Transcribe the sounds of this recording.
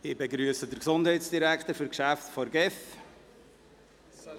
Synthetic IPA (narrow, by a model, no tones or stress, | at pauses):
ɪbeɡɾyəsədəɾksʊnd̥ɦɛɪtsd̥iɾækt̪əɾfɵɾkʃæftfɔɾɡɛf